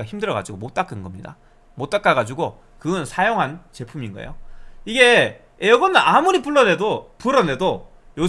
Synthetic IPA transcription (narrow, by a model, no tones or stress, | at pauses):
açimdɯɾʌɡa̰d͡ʑuɡomot͈ak͈ɯnɡʌmɲida̰ | mot͈ak͈aɡad͡ʑuɡo | kɯɡɯnsʰajoŋɦant͡ɕe̞pʰuminɡʌḛjo̰iɡe̞ | ejʌɡʌnɯʔamuɾipuɭːʌne̞dopuɾʌne̞do | jo